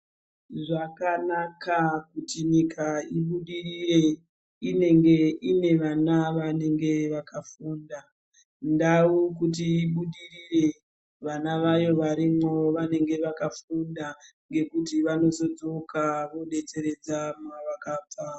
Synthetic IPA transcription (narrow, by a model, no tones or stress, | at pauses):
ʐakanakakutiɲikʰaiɓuɗirire | ineŋɡeine̞ʋanaʋane̞ŋɡe̞ʋakʰafuːnda | ndaukut̬iːɓuɗirire̞ | ʋanaʋajo̞ʋaɾimwo̞ʋane̞ŋɡe̞ʋakafunda | ŋɡe̞kutiʋano̞zo̞d͡zo̞kʰaʋo̞ɗe̞t͡se̞ɾe̞d͡zamaʋakaːp͡faa